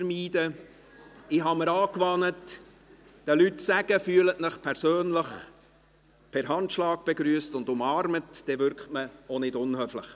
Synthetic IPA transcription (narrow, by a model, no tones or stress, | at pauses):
ɾmiːdə | ɪɦɑməɾɑːkʋɑnət | d̥əlytsæɡ̥əfyːələtməχpʰɛɾsøːnləχ | pʰɛɾɦɑntʃlɑːk̚b̥eɡɾyːəstʊnd̪ʊmɑːɾmətd̥ɛvʏɾkχtməonɪdʊnhøfləχ